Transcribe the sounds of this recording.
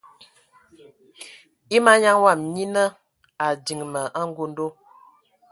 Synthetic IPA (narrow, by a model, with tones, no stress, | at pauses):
i˦ma˦ɲa˦ŋwa˦˨mɲi˦nə˦ | a˨di˨ŋmə˨ʔa˦ŋ˦ɡo˦n˦do˦